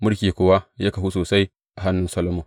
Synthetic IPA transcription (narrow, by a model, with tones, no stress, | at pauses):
mʊ˦ɽkʲeː˨kʷoː˦wa˦ja˦ka˨hu˦soː˨sa˦j | ʔa˨ɦa˦nːʊ˦nsɐ˦lɐ˦moː˨